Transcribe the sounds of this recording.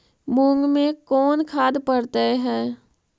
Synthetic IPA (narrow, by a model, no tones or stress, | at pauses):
mʊŋɡmẽkɔːnkʰaːd̪pəɽt̪eɦɛː